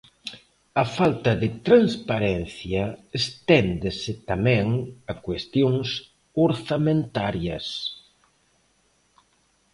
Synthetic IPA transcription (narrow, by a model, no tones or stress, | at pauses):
ɐfalt̪ɐðɪt̪ɾanspaɾɛnθjɐest̪ɛnd̪esɪt̪amɛ̃ŋakwest̪joŋs | oɾθamẽnt̪aɾjɐ̰s